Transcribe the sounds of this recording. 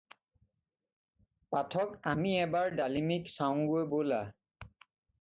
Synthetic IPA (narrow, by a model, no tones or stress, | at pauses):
patʰɔkamiɛbaɹdalimiksaw̃ɡojbola